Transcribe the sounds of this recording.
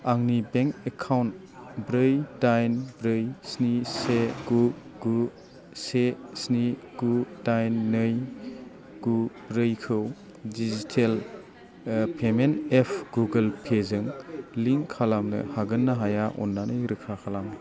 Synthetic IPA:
aŋnibeŋkekʰawnt | bɾɯjdajnbɾɯjsniseɡuɡu | sesniɡ̥udajnːɯj | ɡ̥ubɾɯjkʰɯw | dizitʰel | pʰemenepʰɡuɡɐlpʰezɯŋliŋkʰːalamnɯ̰haɡɯnːaɦajaʔɔ̰nːanɯjɾɯkʰakʰalamn

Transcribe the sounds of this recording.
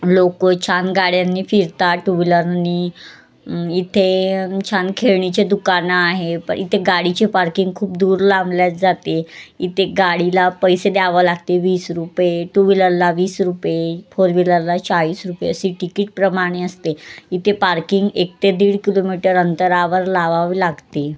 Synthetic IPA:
lokət͡ɕʰanɡaɽjanːiːfiɾt̪aʈuʋiləɾniː | it̪ʰet͡ɕʰankʰeɭɳit͡ɕed̪ukanaaɦepə̰ɳit̪ʰeɡaɽit͡ɕepaɾkiŋɡkʰuːp̚d̪uːɾlãmljat̪d͡zat̪eit̪ʰeɡaɽilapəjsed̪aʋəlaɡ̚t̪eʋiːsɾupeʈuʋiləɾlaʋiːsɾupefoɾʋiləɾlat͡saʋiːsɾupḛəsiʈikiːʈ̚pɾəmaɽ̃eəst̪eit̪ʰepaɾkiŋɡek̚t̪ed̪iːɽkilomiʈəɾənt̪əɾaʋəɾlaʋaʋlaɡt̪e

